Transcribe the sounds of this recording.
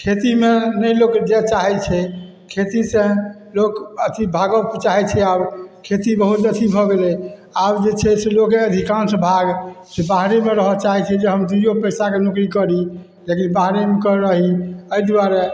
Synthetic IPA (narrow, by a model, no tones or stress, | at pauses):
kʰet̪imenəjlokd͡ʒet͡ʃaɦɛt͡ʃʰɛ | kʰet̪isẽlokət̪ibʱaɡəbkt͡ʃaɦɛt͡ʃʰɛabkʰet̪ibəɦut̪ət̪ibʱɔɡelɛabd͡ʒet͡ʃʰɛselokeəd̪ʱikansə̃bʱaɡsebaɦɾemeɾəɦət͡ʃaɦɛt͡ʃʰɛd͡ʒeɦəmd̪ijopəjsakenukɾikəɾi | lekinbaɦɾemekəɾːəɦiəjd̪uwaɾe